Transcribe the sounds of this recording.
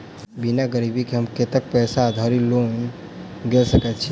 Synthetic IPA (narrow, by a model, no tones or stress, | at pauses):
binaɡəɾibʱikeɦəmket̪ək̚pɛsad̪ʱaɾilon | ɡelsəkɛt̪t͡ʃʰi